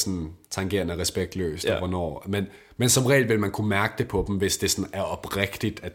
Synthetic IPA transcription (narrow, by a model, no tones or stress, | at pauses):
sɒnt͡sʰɑ̈ŋɡ̥e̝̰ɐnəæʁɛsb̥eɡ̥̚d̥lø̰ːsd̥ʋɒnɒ̰ːmen | mensɒ̽mʁɛ̰ːld̥ʋe̝lmænkʰumæɐɡ̥əd̥e̝pʰɒ̽d̥m̩ʋe̝sd̥e̝sɒ̽næɐɒ̽b̥ʁɛɡ̥d̥id̥æ